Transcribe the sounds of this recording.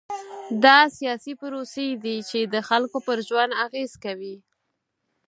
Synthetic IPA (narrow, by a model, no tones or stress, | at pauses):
d̪ɑsijɑsipʊɾosejd̪it͡ʃed̪əxalkopəɾʒwand̪aɣez̥kawi